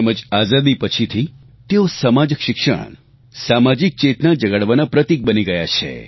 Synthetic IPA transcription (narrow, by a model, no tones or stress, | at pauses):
eməd͡ʒazad̪ipət͡ʃʰit̪ʰi | t̪eosəmad͡ʒəkʃɪkʃə̰ɽ | samad͡ʒik̚t͡ʃet̪nad͡ʒəɡəɽʋanapɾət̪ik̚bəniɡəja̰t͡ʃʰḛ